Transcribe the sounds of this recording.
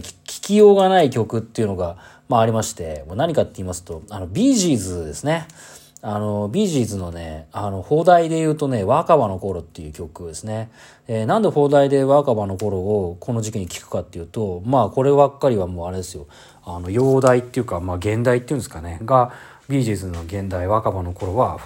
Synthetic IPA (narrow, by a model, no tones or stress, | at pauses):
kʲi̥kʲijoːɡanaikʲo̞kɯ̟t̪ːe̞iɯ̟no̞ɡa | maːɾʲimaɕi̥t̪e̞moːnaɲ̟ikat̪ːe̞iːmasɨ̥t̪o̞ano̞bʲiːʑiːzɨd̪e̞sɨne̞ | ano̞bʲiːʑiːzɨno̞ne̞̰ano̞ho̞ːd̪aid̪e̞jɯ̟ːt̪o̞ne̞βakaβano̞ko̞ɾo̞t̪ːe̞jɯ̟ːkʲo̞kɯ̟d̪esɨne̞ | enãnd̪e̞ɸo̞ːd̪aid̪e̞βakaβano̞ko̞ɾo̞okʰo̞no̞ʑikʲiɲ̟ikʲi̥kɯ̟̥kat̪ːe̞jɯ̟ːt̪o̞maːko̞ɾe̞bakːaɾʲiβamoːaɾe̞d̪e̞sɨjo̞ | ano̞jo̞ːd̪ait̪ːe̞jɯ̟kamaːɡẽ̞nd̪ait̪eiɯ̟̃nesɨ̥kaneɡa | bʲiːʑiːzɨno̞ɡẽ̞nd̪aiβakabano̞ko̞ɾo̞βa